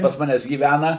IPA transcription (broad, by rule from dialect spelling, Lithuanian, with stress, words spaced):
pɐs ˈmɑːnʲæːs ɡʲiːˈʋʲænɐ